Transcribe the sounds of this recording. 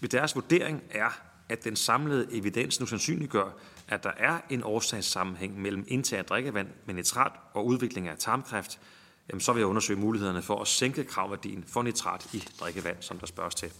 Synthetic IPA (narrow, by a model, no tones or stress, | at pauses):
ʋe̝d̥æɐsʋud̥e̝̰ɐe̝ŋʔæɐ | æd̥ensɑ̈mləð̞̩ˠʔe̝ʋid̥en̰snusænsy̰ːnliɡ̥ɶɐ̰ | ʔæd̥ɑ̈ʔæɐe̝nʔɒːsɛ̰ɪsːɑ̈mm̩ɦeŋ̰mel̰m̩e̝nt͡sʰæ̰ɐ̰d̥ʁɛɡ̥əʋæn̰menet͡sʰʁɑ̰̈ːd̥ɒ̽uð̞ˠʋe̝ɡ̥le̝ŋæt͡sʰɑ̈ːmkʰʁafd̥ | jæmnsɒ̽ʋe̝jaɔ̽nɐsø̰ɪmuːlihe̝ð̰ˠɐnəfɒ̽ʔæseŋɡ̥əkʰʁɑ̈ʊʋæɐd̥ḭːn̩fɒ̽net͡sʰʁɑ̰̈ːd̥id̥ʁɛɡ̥əʋæn̰sɒ̽md̥ɑ̈sb̥ɶɐst͡sʰe̝l